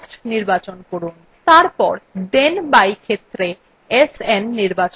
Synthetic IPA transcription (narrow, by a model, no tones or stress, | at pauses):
sʈniɾbat͡ɕonkoɾun | t̪aɾpɔ̰ɾd̪enbajkʰet̪ːɾe | esenːiɾbat͡ɕ